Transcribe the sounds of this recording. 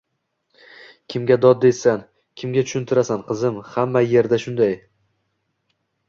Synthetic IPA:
kʲʰɪmɡʲad̪ɒd̪̚ːe̞san | kʲʰɪmɡʲat̪ʰʊ̥ʃʊnt̪ʰɪɾasanqʰɨzɪmhamːaje̞ɾd̪aʃʊnd̪aj

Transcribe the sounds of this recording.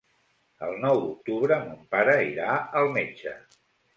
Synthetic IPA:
ə̰lˠnɔwd̪uk̚t̪uβɾəmumpaɾəiɾaəlˠmed͡ʒə

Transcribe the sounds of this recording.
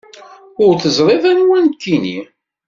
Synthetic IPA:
ʊɾθəzˤɾˤeðænwænkːinḭ

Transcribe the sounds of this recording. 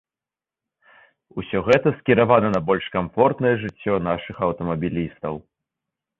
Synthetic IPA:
usʲɔɣɛt̪ɐskʲiɾavanɐnɐbɔlʲʂkamfɔrt̪nɐjɛʐɨt͡sʲːɔnaʂɨxɐwt̪ɐmɐbʲilʲist̪ɐw

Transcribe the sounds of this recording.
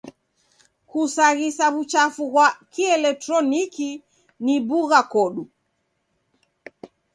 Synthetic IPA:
kusaɣisaβut͡ʃafuɣwakiɛlɛk̚tɾɔniki | nibuɣakɔɗu

